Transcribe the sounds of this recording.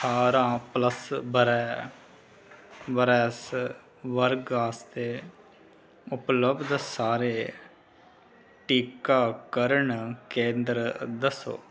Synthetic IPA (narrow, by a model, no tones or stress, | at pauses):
sʰaːɾãːpləsbəɾɛː | ʋəɾɛːs | ʋəɾɡaːst̪eː | ʊpləbd̪saːɾeː | ʈiːkaːkəɾəɳkẽːnd̪ɾd̪əso̰ː